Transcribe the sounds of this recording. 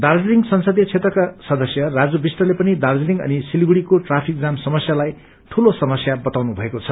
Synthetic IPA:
d̪ard͡zliŋɡsʌnsʌd̪jʌt͡sʰet̪rʌkasʌd̪ʌsjʌrad͡zobisʈʌlepʌnid̪ard͡zliŋɡʌ̰nisilɡuɽikoʈrapʰik̚d͡zamsʌmʌsjalaj | ʈʰulosʌmʌsjabʌt̪awnubʱʌekot͡sʰʌ

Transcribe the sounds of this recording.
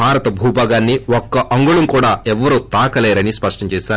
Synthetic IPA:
bʱaːɾɐt̪ɐbʱuːbaːɡaːnːiɔkːɐʔɐŋɡuɭɐmkuːɽaːɛʋːɐɾuːt̪aːkɐlɛːɾɐnispɐʂʈɐɲt͡ʃɛːʃaːɾ

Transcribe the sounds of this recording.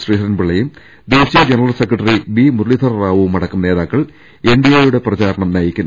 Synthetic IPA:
sriːʂɐnbɨɭːɐjum | d̪eːɕiɐd͡ʑenɐrɐlsekrɐʈːɐriʋiːmurlit̪ʰɐrraːʋumɐɽɐkːɐmne̞ːðaːkːɐɭ | eɳɖijeːjuɽe̞prɐt͡ɕaːɾɐɳɐmnaːjikʲːunː

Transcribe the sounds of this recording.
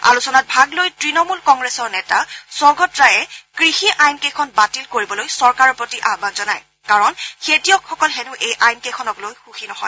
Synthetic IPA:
a̰lusɔnat̚bʱaɡlojtɹinɔmulkɔŋɡɹɛsɔɹnɛta̰sɔɹɡɔtɹajɛkɹixiʔajnkekʰɔnbatilkoɹibɔlojsɔɹkaɹɔpɹotiʔabakzɔnaj | kaɹɔnxetijɔkxɔkɔlxɛnʊʔejʔajnkexʰɔnɔklojxuxinɔɦɔ̰j

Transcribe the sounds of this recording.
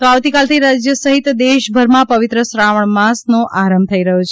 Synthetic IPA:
t̪oaʋt̪ikalt̪ʰiɾad͡ʒjəsəɦit̪d̪eʃbʱəɾmãpəʋɪt̪ɾəsɾaʋəɳmasnoʔaɾəmb̚t̪ʰəiɾəɦot͡ʃʰ

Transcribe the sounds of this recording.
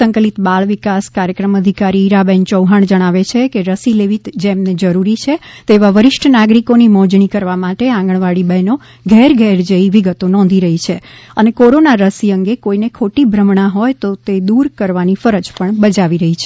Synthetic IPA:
səŋkəlit̪baɭʋikaskaɾjəkɾəməd̪ʱikaɾiːɾabɛnt͡ʃəwɦaɳ̃d͡ʒəɽ̃aʋet͡ʃʰekeɾəsileʋit̪d͡ʒemned͡ʒəɾuɾit͡ʃʰet̪eʋaʋəɾɪʃʈʰənaɡɾikonimɔ̃d͡ʒɳikəɾʋamaʈeãŋɡəɳ̃ʋaɽibɛno | ɡʱɛɾɡʱɛɾd͡ʒəiʋiɡət̪onɔ̃nd̪ʱiɾəɦit͡ʃʰeənekoɾonaɾəsiəŋɡekoinekʰoʈibʱɾəmɳaɦojt̪ot̪ed̪uɾkəɾʋanifəɾəd͡ʒpəɳbəd͡ʒaʋiɾəɦit͡ʃʰe

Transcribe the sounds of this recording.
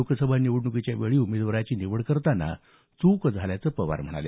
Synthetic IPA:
okəsəbʱaniʋəɽnukit͡ɕjaʋeɭiːumed̪ʋəɾat͡ɕiːniʋəɽkəɾt̪ana̰ | t͡sukəd͡zʱaljat͡səːpəʋa̰ɾm̤əɽ̃a̰ljḛ

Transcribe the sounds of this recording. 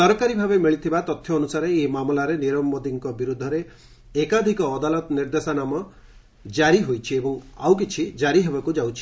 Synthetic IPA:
sɔɾkaɾibʱabemiɭit̪ʰibat̪ɔt̪ʰːjɔːnusaɾeːmamlaɾeniɾɔmbɔd̪iŋkɔbiɾud̪ʱːɔɾeː | kad̪ʱikɔːd̪alɔt̪ɔniɾd̪esanamɔ | d͡ʒaɾiɦojt͡ʃʰiebɔŋawk̬it͡ʃʰid͡ʒaɾiɦebakud͡ʒawt͡ʃʰi̥

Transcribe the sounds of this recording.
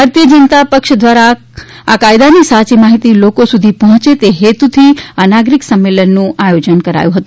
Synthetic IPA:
baɾt̪ijəd͡ʒənt̪apəkʃd̪ʋaɾa | akajd̪anisat͡ʃimaɦit̪ilokosud̪ʱipɔɦɔ̃t͡ʃet̪eɦet̪ut̪ʰiənaɡɾiksəmːelənːũʔajod͡ʒənkəɾa̰jũɦət̪ũ

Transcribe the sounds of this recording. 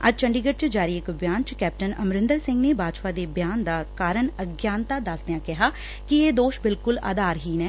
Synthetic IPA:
ə̰d͡ʒt͡ʃəɳɖiːɡəʈ̚t͡ʃəd͡ʒaːɾiːɪkbjaːnt͡ʃkɛːp̚ʈənəmɾɪ̃nd̪əɾsɪ̃ŋɡneːbaːd͡ʒpaːd̪eːbjaːnd̪aːkaːɾəɳəɡjaːnt̪aːd̪asd̪ejãːkɪɦaː | kieːd̪oːʃbɪlkʊla̰ːd̪aːɾɦiːnɛː

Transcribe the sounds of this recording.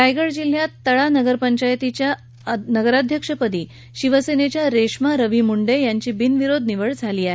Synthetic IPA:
ʈajɡəɭd͡ʑil̤jat̪ːəɭanəɡəɾpəɲt͡ɕajt̪it͡ɕja | nəɡəɾad̪ʱjəkʂəpəd̪iː | ɕiʋəsenet͡ɕjaɾeʂmaɾəʋimuɳɖejaɲt͡ɕiːbinʋiɾod̪ʱniʋəɭd͡zʱaliːae

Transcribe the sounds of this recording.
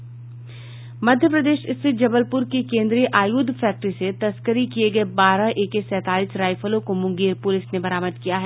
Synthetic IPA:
mɐd̪ʱjəpɾɐd̪eːʃɪst̪ʰɪt̪̚d͡ʒɐbəlpʊɾkekẽːnd̪ɾijəʔaːjuːd̪ʱfʰɛːk̚ʈɾiset̪ɐskəɾikieɡɐebaːɾaʔeːkesɛːt̪aːliːsɾaːɪfəlõkomʊ̃ŋɡeːɾpʊlɪsnebɐɾaːməd̪kijaɦɛː

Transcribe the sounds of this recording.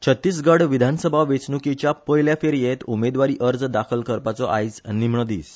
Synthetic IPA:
t͡ɕʰət̪ːiːs̬ɡəɽʋid̪ʱansəbʱaʋet͡snukit͡ɕjapəjljafeɾjet̪umed̪ʋaɾiːʔəɾd͡zd̪akʰəlkəɾpat͡sɔʔa̰jd͡znːimɳəd̪iːs

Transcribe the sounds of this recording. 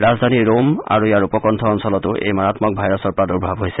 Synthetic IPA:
ɹazd̪ʱaniɹoma̰ɹuijaɹupɔkɔntʰɔɔnsɔlɔtʊʔḛjmɔɹatmɔk̚bʱajɹɔsɔɹpɔɹaduɹbʱabɦojsɛ

